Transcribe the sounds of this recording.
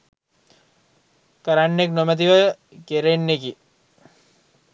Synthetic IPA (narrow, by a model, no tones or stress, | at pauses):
kəɾanːeknomɐt̪̬iʋə | keɾenːeki